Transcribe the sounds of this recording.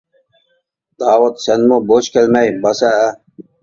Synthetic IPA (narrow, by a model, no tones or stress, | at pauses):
d̪aːwɐt̪senmoboːɕkelmɐjbɐsaː